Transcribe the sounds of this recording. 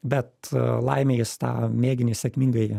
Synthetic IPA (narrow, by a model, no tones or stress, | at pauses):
bʲɛt̪lˠɐ̰ɪmʲejɪst̪ɑ̰ːmʲeːɡʲɪnʲɪsʲɛkmʲiŋɡɐɪ